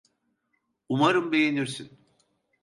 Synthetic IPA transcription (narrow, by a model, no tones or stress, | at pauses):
umaɾɯmbe̞jeniɾsin